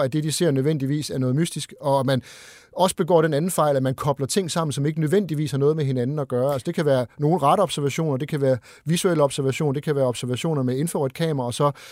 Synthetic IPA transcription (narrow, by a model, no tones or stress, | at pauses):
æd̥e̝d̥ise̝ɐ̰nøðˠʋen̰d̥iʋḭːsæɐnɔ̽ːð̞̩ˠmysd̥isɡ̥ɒ̽æmæn | ɒ̽sə̥b̥e̝ɡ̥ɒ̰ːɾ̥enænn̩fɑ̈ɪlæmænkʰɒ̽b̥lɐt͡sʰe̝ŋ̰sɑ̈m̰n̩sɒ̽me̝ɡ̥ənøð̞ˠʋen̰d̥iʋḭːshɑ̈nɔ̽ːð̞̩ˠmeɦe̝nænn̩ɒɡ̥ɶːɐælsə̥d̥e̝kʰæʋæːɐno̝ːl̩ʁɑ̈ɾ̥əɒ̽b̥sæɐʋæɕo̝̰ːnɐd̥e̝kʰæʋæːɐ | ʋisuel̰əɒ̽b̥sæɐʋæɕo̝̰ːnd̥e̝kʰæʋæːɐɒ̽b̥sæɐʋæɕo̝̰ːnɐmee̝nfoʁid̥̚kʰɛ̰ːmɐʁɐɒsɒ̽